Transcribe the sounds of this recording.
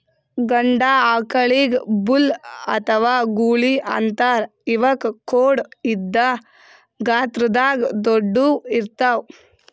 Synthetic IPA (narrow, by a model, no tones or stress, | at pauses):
ɡɐɳɖaːaːkɐɭiːɡbulɐ̰t̪ʰɐʋaːɡuːɭiʔɐ̰nt̪aːɾ | iʋɐkkoːɽid̪ːɐ | ɡaːt̪ɾɐd̪aːɡd̪oɖːuiɾt̪aw